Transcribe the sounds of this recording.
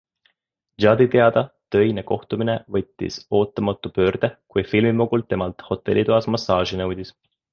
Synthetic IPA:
ʒɑd̪̥it̪e̞ɑd̪̥ɑt̪ø̞jne̞ko̞ht̪uminevɤt̪ʲːḭso̞ːt̪ːˑɑmɑt̪ːˑupø̞ːrd̪̥ekujfilmimuɡult̪ːe̞mɑlt̪ho̞t̪ːˑe̞̰lːit̪uɑsmɑsːɑːʒinɤwd̪̥ʲis

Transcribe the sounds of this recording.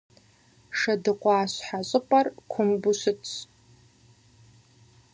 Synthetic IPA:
ʂadɨqʷʼaːɕʷħaɕʷʼɨpʼarkʷʰʊmbusɨt͡sʰ

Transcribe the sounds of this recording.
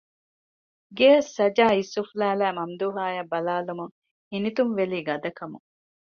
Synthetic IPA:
ɡeːɐsːɐd͡ʒaːisːuflæːlæːmɐmd̪uːɦaːjɐbɐlaːlumuŋ | hinit̪unʋeliːɡɐd̪ɐkɐmuŋ

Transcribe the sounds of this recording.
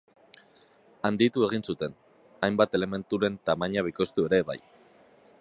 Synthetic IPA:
and̪it̪ue̞ɣ̞insut̪e̞n | ajmbat̪e̞le̞me̞nt̪uɾe̞nt̪amaɲaβ̞iko̞st̪ue̞ɾe̞βa̰j

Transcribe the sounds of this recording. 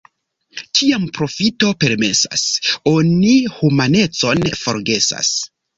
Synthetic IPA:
tʰiampɾo̞fito̞pe̞ɾme̞sa̰so̞nihumane̞t͡so̞nfo̞̰ɾɡe̞sa̰s

